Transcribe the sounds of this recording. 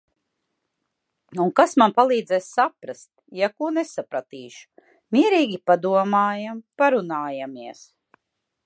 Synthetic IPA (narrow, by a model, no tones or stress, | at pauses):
uŋkasmanpalˠiːd̪zɛssapɾast̪jakuɔnesapɾat̪iːʃu̥ | miɛɾiːɡʲipad̪uɔmaːjampaɾunaːjamiɛs